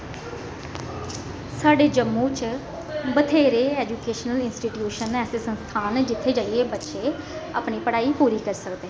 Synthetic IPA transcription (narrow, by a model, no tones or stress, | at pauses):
saːɖeːd͡ʒəmːũːt͡ʃ | bət̪ʰeːɾeːɛːd͡ʒuːkeːʃnəlɪnsʈiːʈjuːʃənɛːseːsə̃nst̪ʰaːnd͡ʒɪt̪ʰːeːd͡ʒaːieːbətːʃeː | a̰ːpniːpəɽaːiːpuːɾiːkəɾsəkd̪eː